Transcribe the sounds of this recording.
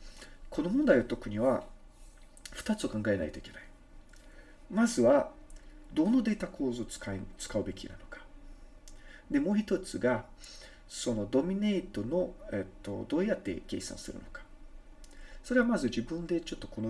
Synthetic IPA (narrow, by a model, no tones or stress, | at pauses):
kʰo̞no̞mõ̞nd̪aiat̪o̞kɯ̟ɲ̟iβa | ɸɯ̟̥t̪at͡sɨ̥okãŋɡae̞na̰it̪oikʲe̞nai̥ | mazɨβa | d̪o̞nod̪e̞ːt̪ako̞ːzot͡sɨ̥kat͡sɨ̥kaɯ̟be̞kʲḭna̰nokḁ | d̪e̞mo̞ːçit̪o̞t͡sɨɡa | so̞no̞d̪o̞mʲine̞ːt̪o̞no̞et̪ːo̞̰d̪o̞ːjat̪ːe̞̰ke̞̰ːsã̰ɰ̃sɨ̰ɾɯ̟̰no̞̥kḁ | so̞ɾe̞βamazɨʑibɯ̟̃nd̪e̞t͡ɕo̞t̪ːo̞̥ko̞no